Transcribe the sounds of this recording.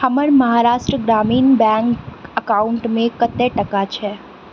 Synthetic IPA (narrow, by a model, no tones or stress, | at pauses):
əməɾməɦaɾaʃʈɾəɡɾaminbɛ̃ŋkəkauɳʈmẽkət̪ːeʈəkat͡ʃʰe